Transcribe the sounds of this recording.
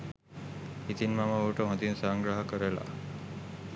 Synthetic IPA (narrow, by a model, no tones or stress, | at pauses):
it̪inmaməoʈəɦõt̪insaŋɡɾaɦəkəɾela̰